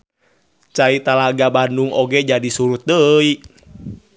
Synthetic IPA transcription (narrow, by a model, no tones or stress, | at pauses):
t͡ʃait̪alaɡabanduŋʔoɡɛd͡ʒadisuɾut̪̚dəi